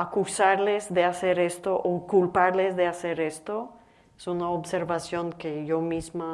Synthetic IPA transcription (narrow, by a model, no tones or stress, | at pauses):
akusaɾlezðe̞ase̞ɾe̞st̪oʔokulpaɾle̞zðe̞ase̞ɾe̞st̪o̞ | esunaobse̞ɾβasjo̞ŋkeʝomizma